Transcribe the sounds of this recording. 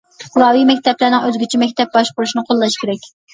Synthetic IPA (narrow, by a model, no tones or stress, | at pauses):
lˠɑwimɛk̚ʲt̪ɛplɪɾnɪŋøzɡʲit͡ʃʰɛmɛkʲt̪ɛp̚bɑʃboɾuʃinɨqʰolˠːɑʃkʲeɾɛkʲ